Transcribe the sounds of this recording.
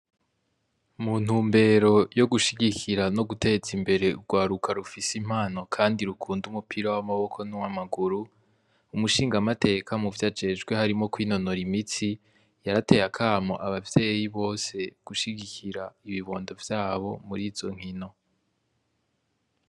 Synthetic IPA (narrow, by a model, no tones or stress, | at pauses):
mun̥uːmbe̞ːɾo̞jo̞ɡuʃiɟikʰiɾano̞ɡutʰe̞t͡simbe̞ɾe̞uɡwaːɾukʰaɾufisim̥haːno̞kʰaːndiɾukʰuːndumupʰiɾawamaβo̞kʰo̞nuwamaɡuɾu | umuʃiːŋɡamate̞ːkʰamuvjaːd͡ʒe̞d͡ʒɡwe̞haɾimo̞kwiːno̞no̞ɾimit͡si | jaɾate̞jakʰaːmo̰ʔaβavje̞ːjiβo̞ːse̞ɡ̥uʃiɡikʰiɾaiβiβo̞ːndo̞vjaːβo̞muɾiːzzo̞̰ŋ̥hino̞